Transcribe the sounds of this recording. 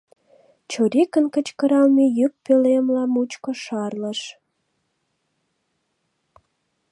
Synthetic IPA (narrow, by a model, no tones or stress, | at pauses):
t͡ɕoɾekənkət͡ɕkəɾɑlmejyk̚pelemlɑmut͡ɕkoʃɑrləʃ